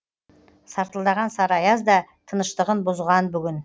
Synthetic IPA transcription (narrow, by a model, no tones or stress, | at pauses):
sɑɾt̪əlˠd̪ɑʁɑnsɑɾɑjɑzd̪ɑt̪ʰənəʃt̪əʁənbʊzʁɑnbʏɡʲɪn